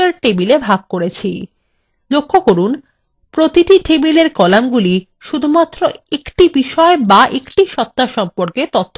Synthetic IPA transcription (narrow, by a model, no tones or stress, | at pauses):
aɾʈebilebʱaɡ̚koɾet͡ɕʰi | lokʰːokoɾun | pɾot̪iʈiʈebileɾkɔlamɡuli | ʃud̪ʱumat̪ːɾoekʈibiʃɔebaʔekʈiʃɔt̪ːaʃɔmpoɾket̪ot̪ʰː